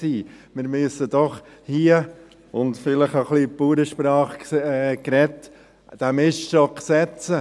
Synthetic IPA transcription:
iːmɪɾmyəsəd̪̥ɔχhiə | ʊnt̪fɪləχəχlipuːɾəʃpɾɑːχkɾɛt | d̥æmɪʃʃɔksɛt͡sə

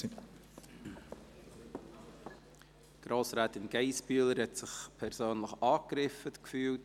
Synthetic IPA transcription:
ɡ̥ɾoːsɾaːtɪnɡɛɪsbyələɾhɛtsɪχpʰɛɾsøːnləχɑːkɾɪfətkfyːlt

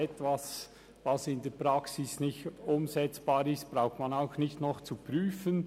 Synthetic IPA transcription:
ɛtvas | vɑsɪndɛːpɾaksɪsnɪçtʊmzɛt͡sb̥aːɾɪstb̥ɾaʊxtmanaʊxnɪçtnɔχt͡supryːfən

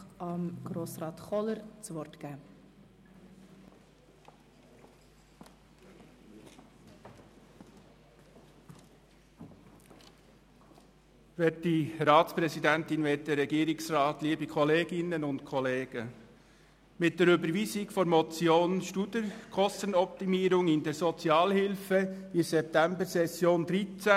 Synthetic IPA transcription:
ɑmɡ̥ɾoːsrɑːt̪χɔləɾt͡sʋɔrtɡ̥æː | ʋɛtdiɾɑːtt͡spɾɛsidæntɪnʋɛt̚dɛɾːɛɡiːɾɪksɾɑːtliːbikʰɔleːɡ̥ɪnənʊntkʰɔleːɡ̥ə | mɪt̚d̥̪ɛɾʏbəɾʋiːsɪkfɔɾmɔt͡sjoːnʃtud̪əkʰɔst̪ənɔp̚t̪imiːɾʊŋɪndɛɾsɔt͡sjɑːlhɪlfədisɛp̚t̪æmbəɾsɛsjoːnd̪ɾit͡sæ

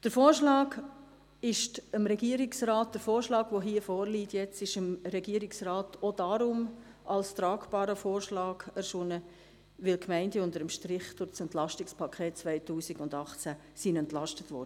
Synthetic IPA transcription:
d̥əɾfoːɾʃlɑːɡ | ɪʃtəmɾɛɡiəɾɪksɾɑːt̚d̥əɾfoːɾʃlɑːɡʋoɦiːəfoːɾliːtjɛt͡sɪʃəmɾɛɡiəɾiksrɑːtʰod̥ɑɾʊm | ʔɑlstɾɑːkb̥ɑːɾəfoːɾʃlɑːɡɛɾʃʊnə | ʋɪlkʰmɛɪndəʊndəɾəmʃtɾɪχd̥ʊɾt͡sɛntlɑʃtɪkspʰɑkʰeːt̚t͡svaɪtuːsiɡʊndɑχt͡sæ | sinɛntlɑʃtətʋɔ̰ːɾdə

